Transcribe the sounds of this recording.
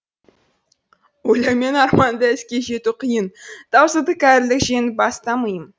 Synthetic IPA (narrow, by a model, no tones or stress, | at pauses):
wojlˠɑjme̞nɑɾmɑnd̪əɪskʲe̞ʒe̞t̪uqʰijənd̪̥ɑwsəd̪əkʲʰæɾlɪkʒenɪbɑst̪ɑməjəm